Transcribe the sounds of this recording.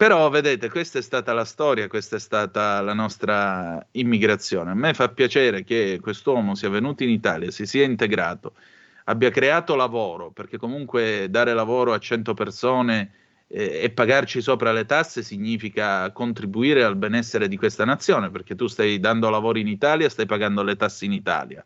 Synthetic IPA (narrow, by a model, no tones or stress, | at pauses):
peɾɔved̪eːt̪ekwest̪aɛst̪aːt̪alast̪ɔːɾjakwest̪aɛst̪aːt̪alanɔst̪ɾaimːiɡɾat̪sːjo̰ːneamːefapːjat͡ʃɛːɾek̟ekwest̪wɔːmosiavenuːt̪oinit̪a̰ːljasisiaint̪eɡɾa̰ːt̪o | abːjakɾeaːt̪olavoːɾoperk̟ekːomuŋkwed̪aːɾelavoːɾoat͡ʃːɛnt̪opersoːneː | pːaɡart͡ʃisoːpɾalet̪asːesiɲːiːfikakont̪ɾibuiːɾealbɛnɛsːeɾed̪ikwest̪anat̪sːjoːneperk̟et̪ːust̪ajd̪and̪olavoːɾiinit̪aːljast̪ajpaɡand̪olet̪asːeinit̪a̰ːlja̰